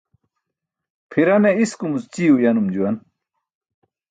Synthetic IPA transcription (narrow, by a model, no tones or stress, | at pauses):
pʰiɾɐneiskumust͡ɕiːujɐnumd͡ʑuwɐn